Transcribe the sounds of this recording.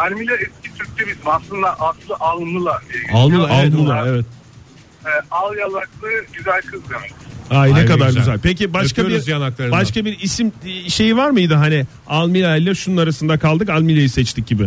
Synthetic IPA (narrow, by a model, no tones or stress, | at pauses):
ælʲmilʲaɛscʰit̪ʰyɾc̚t̪ʰɛbizimaslˠɯnd̪aʔaslˠɯʔalˠɯnɯlˠad̪ialˠmɯaalˠmlˠaevɛt̪̚ | ɛːalˠjalˠaklˠɯɟyzælʲkʰɯzd̪emɛ̥ajnekad̪aɾɡyzælʲpʰecibaʃkaoiɾzzd̪ijanaklˠaɾɯbaʃkabiɾisimʃe̞jivaɾmɯjd̪ɯɦanɪ | alˠmilʲaɛlʲːæʃununaɾasɯnd̪akʰalˠd̪ɯkalʲmilʲajisɛt͡ʃt̪ʰic̚ɟibɪ